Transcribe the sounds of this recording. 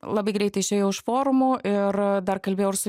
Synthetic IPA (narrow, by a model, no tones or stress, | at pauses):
lˠɐbɐɪɡɾʲɛɪt̪ɐɪɪʃʲeːjɛʊʊʃfoːɾʊmʊʔɪrd̪ɐrkɐlʲbʲeːjɛʊʊsʊ